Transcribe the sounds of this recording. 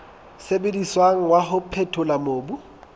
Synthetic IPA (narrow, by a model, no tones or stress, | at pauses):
sebediswaŋ̩waɦʊpʰɛtʰʊlamoːbu